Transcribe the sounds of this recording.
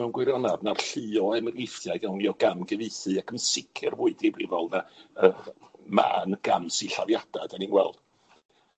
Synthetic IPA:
ɛwnɡwɨɾjɔnadnarɬɨɔɛmɡɪfjaɨɡawŋjɔɡamɡɛvɨɨθɨakʰənsɪkʰɨrvʊɨdibrivɔlˠnaəma̰ːnɡ̥amsiɬa̰vjad̥ad̥aninɡwɛ̰lˠd̥

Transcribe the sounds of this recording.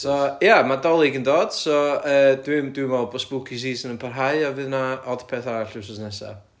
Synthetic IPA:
sɔjamadɔlˠɪɡəndoːd̥sɔəːdwɪmdwɪmɔlˠbɔsb̥ʊkʰisiːsənənpʰarɦaɨɔvɨðnaɔd̥pʰɛθaɾaɬɪwsɔsnɛsa̰

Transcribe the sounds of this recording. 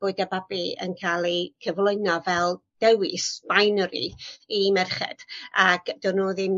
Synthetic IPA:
b̥oɨdɛbabiə̰nkʰaːlˠikʰəvlˠʊjnɔvɛlˠd̥ɛwɪsb̥ajnɾḭimɛrχɛ̰d̥aɡ̥dʊnoːðim

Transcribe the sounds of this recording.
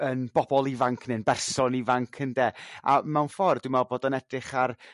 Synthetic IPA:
ənb̥ɔbɔlˠivaŋkʰnɪnbɛrsɔnivaŋkʰəndeːa̰mɛwnfɔrdɪmɛlˠboːdənɛdrɪχar

